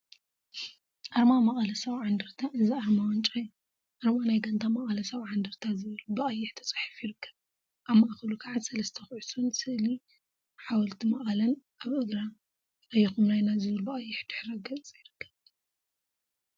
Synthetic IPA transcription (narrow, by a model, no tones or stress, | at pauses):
ʔaɾmamɐχʼɐlɐsɐβʕand̪ɨɾt̪ʰaʔɨziʔaɾmawɔnt͡ʃʼaju | ʔaɾmanajɡɐnt̪ʰamɐχʼɐlɐsɐβʕand̪ɨɾt̪ʰazɨβɨlubɐʔʼɐjːɪħt̪ʰɐ̥t͡sʼħɨ̥fjɪɾɨkʰːɐ̥β | ʔaβmːaʔxɐlukʰaʕad̪sɐlɐst̪ʰɐxʕusunsɨʔli | ħawɔlt̪ʰimɐχʼɐlɐnʔaβʔɨɡɾa | ʔɐjːixumnajnazɨβɨlbɨʔʼɐjːɪħd̪̥ɨħɾɐɡɐt͡sʼt͡sʼjɪɾɨkʰːɐβ